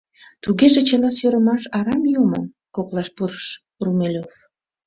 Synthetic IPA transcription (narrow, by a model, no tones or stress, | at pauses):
t̪uɣeʒet͡ɕelɑsjøɾəmɑʃɑɾɑmjumən | koklɑʃpuɾəʃ | rumelʲof